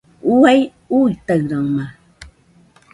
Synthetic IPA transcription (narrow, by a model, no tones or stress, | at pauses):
uaj | ut̪aɰɾaŋma